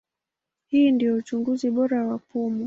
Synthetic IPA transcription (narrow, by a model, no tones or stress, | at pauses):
hiːndijɔut͡ʃuŋɡuziɓɔɾawapumu